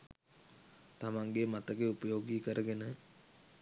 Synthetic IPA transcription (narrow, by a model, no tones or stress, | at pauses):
t̪amaŋɡemat̪əɡeupəjoːɡikəɾʔəɡenə